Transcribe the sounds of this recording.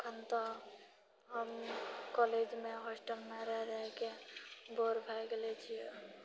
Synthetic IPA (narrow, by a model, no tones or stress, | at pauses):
kʰənt̪ɔ | ɦəmkɔled͡ʒmeɦɔsʈəlmeɾəɾəɦekeboɾbʱajɡelet͡ʃʰijɛ